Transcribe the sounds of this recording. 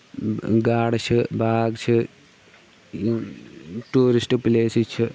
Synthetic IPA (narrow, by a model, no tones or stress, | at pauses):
ɡaːɽɐɕɨbaːɡt͡ɕʰɨ | ʈuːɾisʈɨpileːsit͡ɕʰːɨ